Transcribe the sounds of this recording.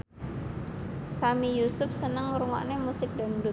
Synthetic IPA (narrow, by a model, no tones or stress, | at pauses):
samijusʊf̚sənəŋɾuŋa̰ʔnemusɪk̚d̪andu